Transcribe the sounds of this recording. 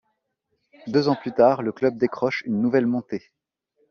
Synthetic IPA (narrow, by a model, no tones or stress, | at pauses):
d̪øzɑ̃plyt̪aʁləklœb̚d̪ekχɔʃynːuvɛlmɔ̃t̪e